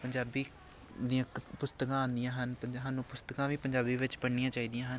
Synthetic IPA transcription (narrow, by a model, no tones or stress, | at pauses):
pəɲd͡ʒaːbiː | d̪ijãːpʊst̪əkãːãːnd̪ɪjãːɦənpəɲɦanũːpʊst̪əkãːʋiːpəɲd͡ʒaːbiːʋɪt͡ʃpəɽnɪjãːt͡ʃaːiːd̪ijãːɦən